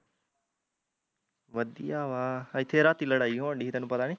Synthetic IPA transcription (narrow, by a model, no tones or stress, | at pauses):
ʋəd̪ḭaːʋaːəjt̪ʰeɾaːt̪iləɽaːiɦõɖiɦit̪ɛːnũpɐt̪aːɽ̃ĩ